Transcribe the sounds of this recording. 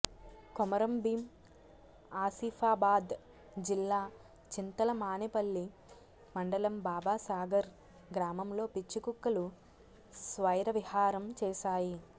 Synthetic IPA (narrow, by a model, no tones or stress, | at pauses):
komɐɾɐmbiːm | aːsiːfʰaːbaːd̪ | d͡ʒilːaː | t͡ʃint̪ɐlɐmaːnepɐlːi | mɐɳɖɐlɐmbaːbaːsaːɡɐɾ | ɡɾaːmɐmlo̞ːpit͡ʃːikukːɐlu | sʋɐjɾɐʋihaːɾɐmt͡ʃɛːʃaːji